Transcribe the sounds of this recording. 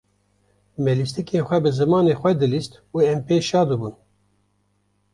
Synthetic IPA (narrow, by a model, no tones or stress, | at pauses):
mɛlist̪ɨkʰeːnxʷɛbɨzɨmɑːneːxʷɛd̪ɨlist̪ | uɛmpeːʃɑːd̪ɨbun